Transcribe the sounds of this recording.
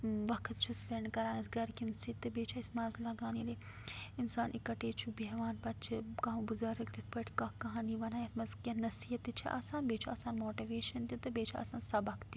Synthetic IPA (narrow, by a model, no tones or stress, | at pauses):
ʋɐkʰt̪̚t͡ʃʰuspɾeɳɖkɐɾaːnɐsɡɐɾkinsit̪ːɨbeːt͡ʃʰaːisʲmaːzlɐɡaːnile | insaːnʔikɐʈeːt͡ʃʰubeɦʋaːnpɐt̪̚t͡ʃʰikãːũɡuzɐɾɐkt̪it̪̚ʰpɐʈʰkɐkɐɦaːniʋɐnaːjɐt̪mɐzkʲɐnɐsiːɦɐt̪ːit͡ʃʰiʔa̰ːsaːnbeːt͡ʃʰaːsaːnmoːʈiʋeːʃɐnt̪ut̪ɨbeːt͡ʃʰa̰ːsaːnsɐbɐkʰt̪i